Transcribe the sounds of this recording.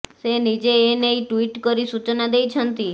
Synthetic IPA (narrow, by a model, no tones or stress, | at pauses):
senid͡ʒeːneiʈʋiʈkəɾisut͡ʃnad̪ejt͡ʃʰənt̪i